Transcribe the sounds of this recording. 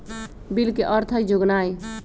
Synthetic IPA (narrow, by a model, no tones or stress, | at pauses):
bilkeʔəɾt̪ʰəjd͡ʒoɡnaj